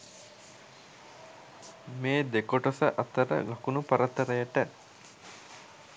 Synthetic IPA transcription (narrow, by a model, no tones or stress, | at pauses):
meːd̪ekoʈosəʔɐt̪əɾə̰lɐkunupɐɾɐt̪ːəɾəjəʈə